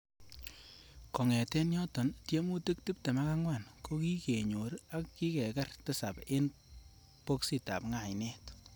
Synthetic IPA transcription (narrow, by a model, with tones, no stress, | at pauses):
kɔ˨ŋɛ˨tɛ˦njɔ˦tɔ˨ntje˦mu˦te˦k̚ti˦p̚te˨ma˦ka˦ŋwa˨nko˦ki˦ke˨ɲo˨ɾa˦kːi˦kɛ˨kɛ˦rtɪ˦sa˨pe˦n | po˦ksi˦ta̰˨pŋa˨jnɛ˦t